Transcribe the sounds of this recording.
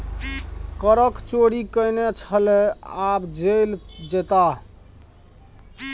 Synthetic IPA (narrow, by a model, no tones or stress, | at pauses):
kəɾəkt͡ʃoɽikəjnet͡ʃʰəleabd͡ʒeld͡ʒet̪a